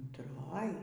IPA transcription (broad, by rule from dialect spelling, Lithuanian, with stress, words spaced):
ʊntˈroːj